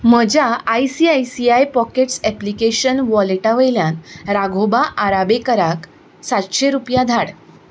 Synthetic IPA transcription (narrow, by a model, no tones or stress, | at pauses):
m̤əd͡ʑaajsiːajsiajpɔkeʈsɛplikeɕənʋɔleʈaʋəjljãnɾaɡʱobaʔaɾabekəɾak | sat̪ɕeɾupjad̪ʱaɽ